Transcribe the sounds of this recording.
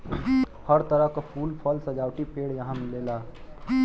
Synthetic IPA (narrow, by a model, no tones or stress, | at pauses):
həɾt̪əɾəɦkapʰuːlpʰɔlsɐd͡ʒaːwʈipeːɽjɐɦãmɪleːlaː